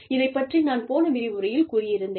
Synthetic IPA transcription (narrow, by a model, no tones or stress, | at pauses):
ɪðɐɪpːɐʈrinaːnpoːnɐʋɪɾɪʋɯɾɐjɪlkuːrɪjɪɾɯnd̪ɐ